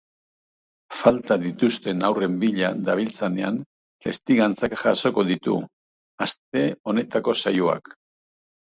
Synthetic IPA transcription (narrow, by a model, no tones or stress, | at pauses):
falt̪aðit̪ust̪e̞nawre̞mbiʎaðaβ̞ilt͡sane̞an | t̪e̞st̪iɣant͡sakʝaso̞ko̞ðit̪ṵ | ast̪e̞o̞ne̞t̪ako̞sajua̰k